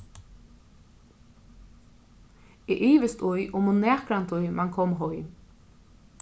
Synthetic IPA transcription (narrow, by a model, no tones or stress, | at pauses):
ɛʔiːʋɪst̪ʊjʔʊmʊnɛːkɾant̪ʊjmʔaŋkʰɔmɦɔj